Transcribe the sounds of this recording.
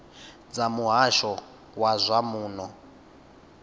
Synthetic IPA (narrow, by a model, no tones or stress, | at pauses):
d͡zamuɦaʃɔ | wazʷamuːnɔ